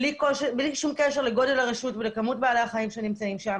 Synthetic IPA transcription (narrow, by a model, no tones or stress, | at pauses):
likoʃebliʃumkeʃe̞ʁleɡo̞de̞laʁeʃutvelekamut̚bealeaχaimʃenimt͡saimʃam